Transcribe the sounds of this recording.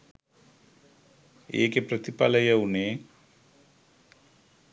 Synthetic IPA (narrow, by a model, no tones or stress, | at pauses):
ḛːkeprət̪ipa̰lɐjɐuneː